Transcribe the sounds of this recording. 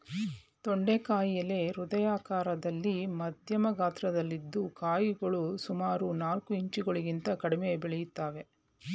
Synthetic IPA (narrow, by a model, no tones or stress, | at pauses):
t̪oɳɖekaːjiɐle̞ɾud̪ɐjaːkaːɾɐd̪ɐlːimɐd̪ʱjɐmɐɡaːt̪ɾɐd̪ɐlːid̪ːukaːjiɡɐɭusumaːɾunaːlkuiɲt͡ʃiɡɐɭiɡint̪ɐkɐɽimejbɛɭɛjut̪ːaːʋe̞